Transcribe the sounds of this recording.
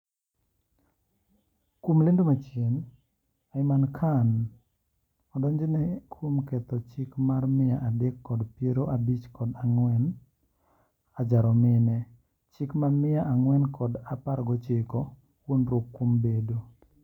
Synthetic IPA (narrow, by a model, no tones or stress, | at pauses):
komlendomat͡ʃen | aɪmankʰan | ɔdɔɲd͡ʒɪnɛkʰomkɛt̪ɔt͡ʃɪkmarmɪjaʔadɛkːɔdpeɾoʔabit͡ʃkɔdaŋwɛn | ad͡ʒaɾɔmɪnɛ | t͡ʃɪkmamɪjaʔaŋwɛnkʰɔdapaɾɡɔt͡ʃɪkɔ | wonɾokːombedo